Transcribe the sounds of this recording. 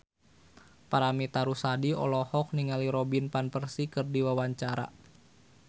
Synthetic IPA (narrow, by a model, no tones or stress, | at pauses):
paɾamit̪aɾusadiɔ̰lɔhɔk̚niŋaliɾɔbinpanpərsikɨrdiwawaɲt͡ʃaɾa̰